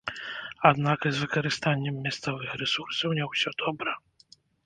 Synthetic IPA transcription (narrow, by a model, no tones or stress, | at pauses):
ad̪nakzvɨkɐɾɨst̪anʲːɛmːʲast̪sɔvɨxɾɛsursɐwnʲɛwsʲɔd̪ɔbɾɐ